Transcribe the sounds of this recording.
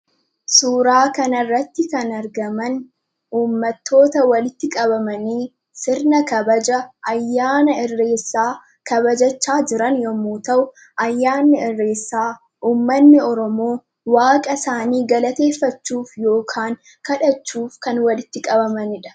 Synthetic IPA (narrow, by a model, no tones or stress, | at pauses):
suːɾaːkɐnɐrːɐt̪ːɪkɐnɐɾɡɐmɐn | uːmːɐt̪ːo̞ːt̪ɐwɐlɪt̪ːɪkʼɐbɐmɐniː | sɪɾnɐkɐbɐd͡ʒɐʔɐjːaːnɐɪrːe̞ːsːaː | kɐbɐd͡ʒɐt͡ʃːaːd͡ʒɪɾɐnjɔmuːt̪ɐʔʊ | ʔɐjːaːnːɪɪrːe̞ːsːaː | ʔuːmːɐnːɪɔɾɔmo̞ː | waːkʼɐsaːniːɡɐlɐt̪e̞ːfːɐt͡ʃːuːfjo̞ːkʰaːŋ | kɐᶑɐt͡ʃːuːfkɐnwɐlɪt̪ːɪkʼɐbɐmɐnɪᶑɐ̥